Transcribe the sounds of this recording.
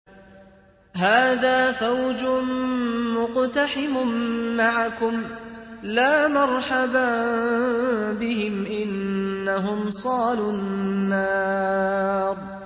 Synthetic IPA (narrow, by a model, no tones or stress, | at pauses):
ɦaːðaːfawd͡ʒʊ | mʊqt̪aħɪmʊmːaʕakʊmlaːmɑɾˤħaba | bɪɦɪmʔɪnːaɦʊmsˤɑːlʊnːɑː | ɾˤ